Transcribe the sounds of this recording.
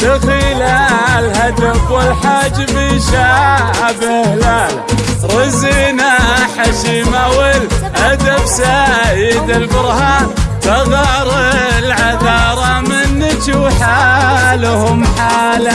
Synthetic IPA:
fɪxɪlalhad̪afwɪlħad͡ʒːbiʃaabɪhla | ɾˤɨzinaħaʃiːmawɪlʔad̪afsajɪd̪ɪlbʊɾhat̪ɑɣɑɾˤlʕaðɑːɾˤɑmɪnːɪt͡ʃuħalʊhʊmħaːla

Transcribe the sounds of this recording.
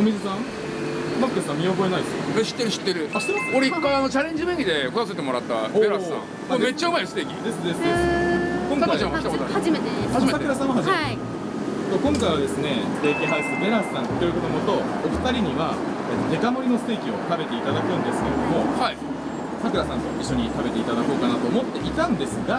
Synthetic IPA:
omʲizɨsãŋ | makːesãmʲiobo̞enaid̪sɨoɾeɕi̥t̪ːe̞ɾɯ̟ɕi̥t̪ːe̞ɾɯ̟aɕt̪ːeoɾeikkːaiano̞t͡ɕaɾẽɲ̟d͡ʑibẽ̞ŋʲɡʲid̪e̞kot̪as̬e̞t̪emo̞ɾat̪ːa̰beɾassã̰ŋ | mome̞t͡ɕːaɯ̟maisɨ̥t̪eːkʲid̪esɨd̪e̞sɨeskõŋaat͡ɕãit̪akot̪aaimeehaʑimesaekɯɾasãaɦaʑime | t̪okõ̞ŋkajβad̪e̞sɨne̞ | t̪e̞ːk̪eɦaisɨɯbe̞ɾasɨ̥sãŋt̪ːoi̟kot̪omot̪o̞oɸɯ̥t̪aɾʲiɲ̟iβa | et̪ːod̪e̞kamo̞ɾʲino̞sɨ̥t̪e̞ːkʲio̞t̪abe̞t̪e̞it̪ad̪akɯ̃nd̪e̞sɨ̥ke̞ɾed̪omo̞hai | sakɯ̟ɾasãnt̪o̞ʔiɕːo̞ɲ̟it̪abe̞t̪e̞it̪ad̪ako̞ːkanat̪o̞ːmo̞t̪ːe̞ʔit̪ãnd̪e̞sɨɡa

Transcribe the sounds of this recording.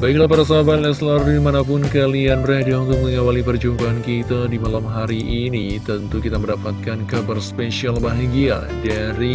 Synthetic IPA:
baiklahpaɾas̬aabat̪lɛslɔrimanap̬ʊnkalianrɛhdiɦɔŋt̪ʊŋməŋawalipərd͡ʒumpaankit̪adimalamɦaɾiʔːnit̪ənt̪ukit̪aməndapat̪̚kankabərspesialbaɦaŋɡia̰ | daɾi

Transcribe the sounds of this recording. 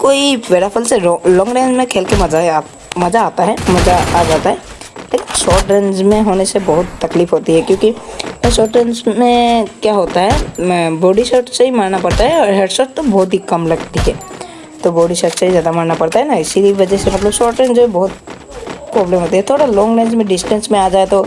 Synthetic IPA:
koːiʋeːɾafʰəlselɔ̃ːŋɡɾẽːnd͡ʒmẽkʰeːlkemɐza | mɐzaːt̪aɦɛmɐzaaːd͡ʒaːt̪aɦɛː | leːkɪnʃɔːɾʈɾẽnd͡ʒmẽɦoːnesebɐɦʊt̪ːɐkliːfɦoːt̪iɦɛkjõːkiʃɔːʈɾẽːnd͡ʒmẽkjaːɦoːt̪aɦɛbɔːɖiʃɔːʈt͡ʃaimaːɾnapɐɾt̪aɦɛɔːɾɦɛːɖʃɔːʈ̚t̪obɔːt̪ɦikɐmlɐɡt̪iɦɛ̰ː | t̪obɔːɖiʃɔːʈt͡ʃaɦizjaːd̪amaːɾnapɐɾt̪aɦɛnaɪsiʋɐd͡ʒɛsemɐt̪ləbʃɔːɾʈɾẽd͡ʒoɦɛbɔɦʊt̪ | pɾɔːbləmɦoːt̪iɦɛt̪ʰoːɽalɔ̃ːŋɡɾẽːnd͡ʒmẽɖɪsʈə̃nsmẽaːd͡ʒaːet̪o

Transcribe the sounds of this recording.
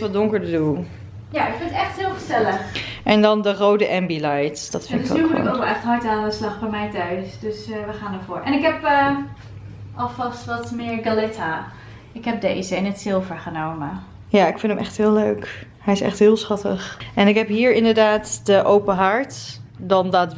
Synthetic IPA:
ʋɔdʊŋkəɹtədulˠ | jaɪkfɪnətɛχtɦɪːlˠfəɹzɛləχʔɛndɑndərowdəʔɛmbilajtd̥ɑtfɪ̰ntɪkːukɪ̰kokʋɪlˠɛxtɦɑjtaːndəslɑχbɛjmɛjtœɥsdøsʋəχaːnəvʊːɹʔɛnɪkɦɛpə | ʔɔlˠfɑstʋɔtmɪːɹɡalɪtʰa | ɪkɦɛp̚dḛzəɪnətsɪlˠvəɹχənowmə | jaːɪkfɪntəmʔɛχtɦɪːløɥk | hɛjɪsɛ̰χtɦɪːlˠsχɑtə̰χɛnɪkɦɛpɦiːɹɪndəɹdaːtdəʔowpəɦaɹtdɑndat

